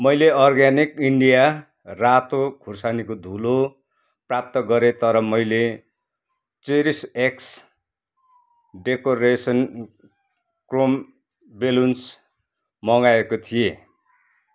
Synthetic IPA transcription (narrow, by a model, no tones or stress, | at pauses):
mʌjleʌrɡanikiɳɖija | rat̪oɡʰʱursanikod̪ʱulo | prap̚t̪ʌɡʌɾet̪ʌɾʌmʌjle | t͡seɾiseks | ɖekoɾesʌn | krom | beluns | mʌŋaekot̪ʰije